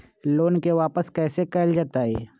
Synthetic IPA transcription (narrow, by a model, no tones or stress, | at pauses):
loːnkeʋaːpəskɛːsekɐld͡ʒaːt̪aɦɛ̰ː